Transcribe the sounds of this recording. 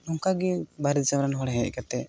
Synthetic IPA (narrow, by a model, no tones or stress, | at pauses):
nɔŋkaɡibaɾid̪saɾanɦɔɽɦɛʔ̚ˀkat̪ɛ